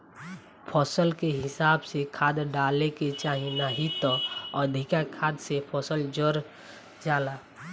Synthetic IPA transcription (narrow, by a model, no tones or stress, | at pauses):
pʰɔːsəlkeɦɪsaːbsekʰaːd̪ɖaːleket͡ʃaːɦinaɦit̪ɔɔd̪ʱikakʰaːd̪sepʰɔːsəld͡ʒəɾ | d͡ʒaːlaː